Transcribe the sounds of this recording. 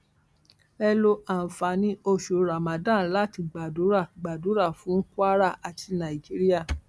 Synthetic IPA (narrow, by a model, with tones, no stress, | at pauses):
ɛ˧lo˧a˨fa˨nĩ˧˦o˧ʃo˨ɾa˨mã˨dã˦˨˦la˦ti˧ɡ͡ba˨du˨˦ɾa˦˨ɡ͡ba˨du˨˦ɾa˦˨fũ˨˦n̩˦ku˦a˦ɾa˦˨ʔa˨tʰi˧nã˨i˨d͡ʒi˨˦ɾi˦ja˦˨